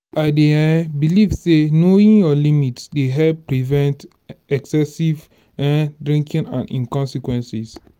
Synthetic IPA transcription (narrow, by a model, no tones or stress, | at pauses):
aɪdebilivsenoĩnjɔlimitsdeɦɛlppːɹivɛ̃nt | ɛksɛsiv | ɛ̃dɹĩŋkĩnã̰nḭ̃nkɔ̃nsikwɛ̃nsis